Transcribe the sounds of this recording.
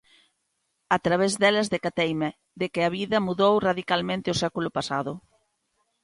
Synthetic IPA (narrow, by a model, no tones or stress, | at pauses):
at̪ɾaβɛzðɛlɐzðekat̪ejme | d̪ekɪaβ̞iðɐmuðowraðikalmẽnt̪ɪosɛkulʊpasaðʊ